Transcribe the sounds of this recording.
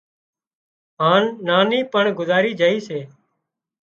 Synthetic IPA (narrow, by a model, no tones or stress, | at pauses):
ɦãːnːaːniːpəɳɡʊzaːɾiːd͡ʒaːiːseː